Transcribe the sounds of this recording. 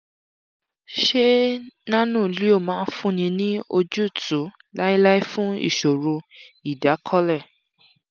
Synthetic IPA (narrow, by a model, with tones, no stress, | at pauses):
ʃe˦nã˦nũ˦˨li˨˦o˦˨mãː˨˦fũ˦nĩ˧nĩ˦o˧d͡ʒu˦˨tũ˨˦ | la˦i˦la˦i˦fũ˦ḭ˦˨ʃo˨ɾo˧ | i˨da˨˦kʰɔ˦lɛ˦˨